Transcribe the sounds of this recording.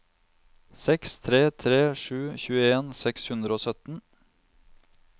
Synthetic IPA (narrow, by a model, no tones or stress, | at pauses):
sɛkst̪ʰɾeːt̪ʰɾeːʃʉːçʉːəeːnsɛkshʉnd̪ɾəoːsœt̪n̩